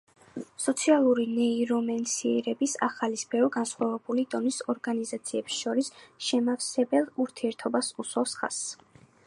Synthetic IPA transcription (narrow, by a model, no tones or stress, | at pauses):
sɔt̪sʰialˠuɾinɛiɾɔmɛnsiɛɾɛbisaχalisbɛvɡansχwavɛbulid̪ɔnisɔɾɡanizat̪sʰiɛbsʃɔɾisʃɛmafsɛbɛlˠuɾt̪ʰiɛɾt̪ʰɔbasuswafsχa̰s